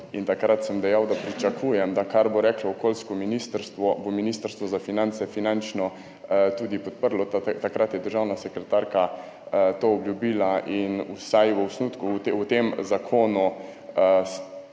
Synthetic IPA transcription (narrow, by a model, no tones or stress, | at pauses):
int̪akɾat̪səmd̪ɛjawd̪apɾit͡ʃakʰujɛmd̪akaɾboɾɛklaɔkoːlskɔminist̪əɾst̪ʋɔbominist̪əɾst̪ʋɔzafinant̪sɛfinant͡ʃnɔ | t̪uːd̪ipɔt̪̚pəɾlɔt̪akɾat̪jɛd̪əɾʒawnasɛkɾɛt̪aɾka | t̪oːɔbljubilaʔinusajʋəusnut̪kut̪ewt̪emzakʰoːnu